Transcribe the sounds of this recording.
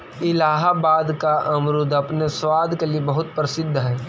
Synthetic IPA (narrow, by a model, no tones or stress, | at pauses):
ɪlaːɦabaːd̪kaʔɐmɾʊd̪ɐpnesʋaːd̪ʱkelijebɐɦʊt̪̚pɾɐsɪd̪ʱːɦɛː